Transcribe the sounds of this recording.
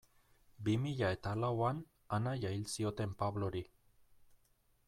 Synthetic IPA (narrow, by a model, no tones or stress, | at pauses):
bimiʎae̞t̪alawan | anajajlsio̞t̪e̞mpaβlo̞ɾi